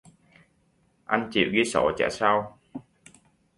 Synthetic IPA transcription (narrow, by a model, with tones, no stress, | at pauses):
ʔa˧jnt͡ɕḭ˧˨wɣi˧so˧˩˦t͡ɕɛ̰ː˧˥saː˧w